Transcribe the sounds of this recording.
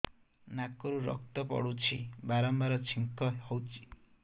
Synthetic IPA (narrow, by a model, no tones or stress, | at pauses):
nakɔɾuɾɔ̰k̚t̪ɔpɔ̰ɽut͡ʃʰibaɾɔmbaɾɔt͡ʃʰiŋkɔhɔwt͡ʃʰi̥